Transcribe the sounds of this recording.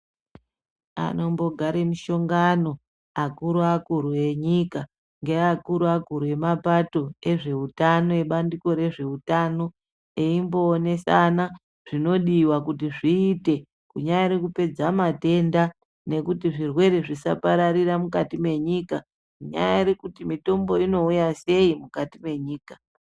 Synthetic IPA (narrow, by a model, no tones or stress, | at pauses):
a̰no̞mbo̞ɡʱaɾemiʃo̞ŋɡano̞ | akuɾuakuɾue̞ɲika | ŋɡe̞akuɾuakuɾuje̞mapato̞e̞ʐe̞utano̞je̞ɓandiko̞ɾe̞ʐe̞utaːno̞ | eimbo̞ːne̞sana | ʐ̥ino̞ɗiːwakut̬iʐiːte̞ | kuɲajaiɾikupe̞d͡zamate̞nda | ne̞kutiʐirwe̞ɾeʐisa̰paɾaɾiramukatime̞ɲika | kuɲa̰ja̰iɾikutimito̞mbo̞ino̞ujase̞imukatime̞ɲiːka